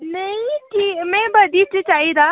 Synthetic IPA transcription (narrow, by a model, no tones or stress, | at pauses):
nɐĩʈiːmɛ̃ːbɐd̪it͡ʃət͡ʃaːɦid̪aː